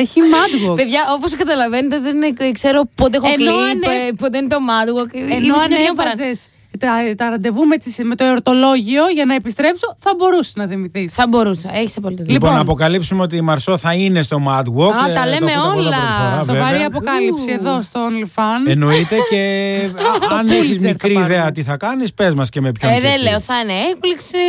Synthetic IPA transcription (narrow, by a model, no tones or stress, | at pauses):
eçimɐd̪ɣopeðʝɐoposkɐt̪ɐlɐvenet̪eðekseɾopot̪eexninpod̪einet̪omɐd̪wokenoɐnovɐze̞s | t̪ɐt̪ɐɾɐnd̪e̞vumeet͡sisme̞t̪oeoɾt̪o̞lo̞ʝio̞ʝɐnɐe̞pist̪ɾe̞pso̞θɐbo̞ɾuse̥znɐθimiθisθɐbo̞ɾusɐeçi̥sɐpolit̪ðliponnɐːpo̞kɐlipsumeo̞t̪imɐɾsoθɐine̞st̪o̞mɐd̪ɣwokt̪ɐlemeolɐfoɾɐsvoemɐɾiɐpo̞kɐlipsieðo̞st̪oonlfɐnenoit̪e̞ce | ɐneçizmikɾiːðeɐt̪iθɐkɐnispe̞zmɐscemepçoðeleoθɐneekliksi